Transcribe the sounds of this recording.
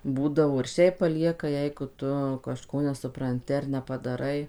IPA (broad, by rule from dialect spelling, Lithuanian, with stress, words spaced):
ˈbuːdɐʋoː ɪr ˈʃʲɛɪp pɐˈlʲiɛkɐ ˈjɛɪɡʊ ˈtʊ kɐʃˈkoː nʲɛsʊprɐnʲˈtʲɪ ɐr nʲɛpɐdɐˈrɐɪ